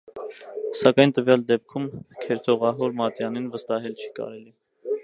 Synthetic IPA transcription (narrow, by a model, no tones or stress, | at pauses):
sɑkɑjnt̪əvjɑld̪ɛp̚kʰumkʰɛɾt̪ʰɔʁɑɦɔɾmɑt̪jɑninvəst̪ɑɦɛlt͡ʃʰi̥kɑ̰ɾɛli